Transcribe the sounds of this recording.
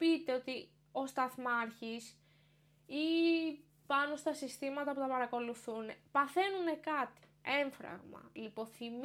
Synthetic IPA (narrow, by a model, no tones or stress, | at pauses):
pit̪e̞o̞t̪i | o̞st̪ɐθmɐɾçis | i | pɐno̞st̪ɐsist̪imɐt̪ɐput̪ɐpɐɾɐko̞luθune̞pɐθe̞nune̞kɐt̪i̥ | e̞ɱfɾɐ̰ɣmɐ̰lipo̞θim